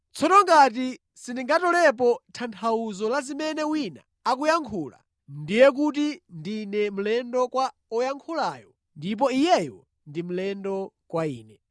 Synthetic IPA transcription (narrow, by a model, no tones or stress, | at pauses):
t͡sʰɔtɔŋɡat̬i | sindiŋɡatɔlɛp̬ɔtʰantʰauzɔlazimɛnɛwina̰ːk̬ujaŋkʰuːla̰ | ndijɛk̬ut̬indinɛm̩lɛndɔkwa | ɔjaŋkʰulaːjɔ | ndip̬ɔijɛjɔ | ndim̩lɛndɔkwaiːnɛ